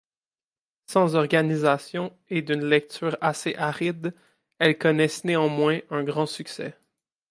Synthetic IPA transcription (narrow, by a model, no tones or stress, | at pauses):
sɑ̃zɔʁɡanizasjɔ̃ | ed̪ynlɛk̚t̪yːʁaseʔaʁid̪ | ɛlkɔnɛsneɑ̃mwɛ̃œ̃ɡʁɑ̃syksɛ̰